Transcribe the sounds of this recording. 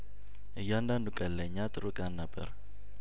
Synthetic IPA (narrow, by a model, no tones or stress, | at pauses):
ʔɨjːand̪and̪ukʼəlːəɲːat̪ʼɨɾukʼjanːabːə̰ɾ